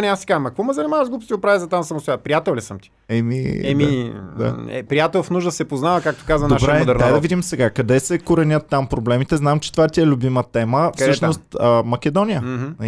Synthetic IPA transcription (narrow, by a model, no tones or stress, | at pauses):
nʲɛasi̥kazəmɐkvɔmɛzɐnɛmavəʒɡlˠupst̪iɡopɾavizɐt̪amsɐmost̪ojat̪pɾijat̪ɛlˠlʲisəmt̪i̥ | ɛmiɛmid̪a̰ɛ̰pɾijat̪ɛlˠfnuʒd̪əsɛpoznavɐkak̚t̪okazvɐnd̪oaʃbɾɛod̪ɛɾnad̪ɐvid̪imsɛɡakɐd̪ɛsɛkoɾɛnʲət̪ːampɾoblɛmit̪ɛznamt͡ʃɛ̥t̪ovat̪iɛlʲʊbimət̪ɛməfɤʃnost̪əmɐk̟ɛd̪ɔnʲijəɦ̩